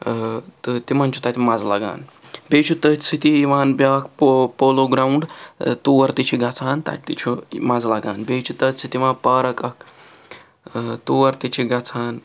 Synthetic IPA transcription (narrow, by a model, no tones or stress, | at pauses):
t̪t̪imɐnt͡ʃʰut̪at̪imɐd͡zlaɡa̰ːn | beːt͡ʃʰut̪ɐt̪ʲsit̪iːʋaːnbakppoːloːɡɾaːuɳɖt̪uːɐɾt̪it͡ʃʰiɡɐt͡sʰaːnt̪a̰t̪t̪it͡ʃʰomɐd͡zlɐɡaːnbeːt͡ʃʰut̪ɐt̪sit̪iʋaːpɐːɾɐkɐk̚ | t̪uːɐɾt̪it͡ʃʰiɡɐt͡sʰaːn